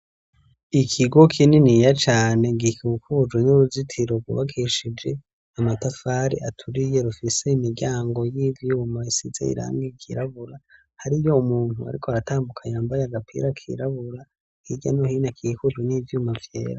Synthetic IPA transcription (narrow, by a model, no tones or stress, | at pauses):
ikʰiɡo̞kʰininijat͡ʃaːne̞ɡikukud͡ʒɡwenuɾuzitʰiɾo̞bɡṵβakʰiʃid͡ʒe̞ | amatafaɾḭʔatʰuɾije̞ɾufise̞imiɾɟaːŋɡo̞jivjuːmaisizḛḭɾa̰ːŋɡikḭɾaβuɾa | haɾijo̞umuːn̥ua̰ɾikʰoaɾataːmbukʰajaːmbajeaɡapʰḭɾakʰḭɾaβuɾa | hiɟanohiːnakʰikud͡ʒwenivjuːmavje̞̰ːɾa